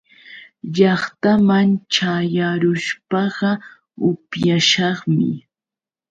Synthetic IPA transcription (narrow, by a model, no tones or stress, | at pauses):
ʎɑχt̪amaŋt͡ʃajaɾʊʃpɑɢɑ | ʊpjaʃɑχmɪ̰